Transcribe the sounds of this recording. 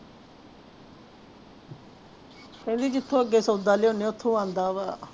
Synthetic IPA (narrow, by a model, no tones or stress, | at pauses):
kɛ̃ːnd̪iːd͡ʒɪt̪ʰːõːəɡːeːsəd̪aːleːoːneːʊt̪ʰːõːãːnd̪aːʋaː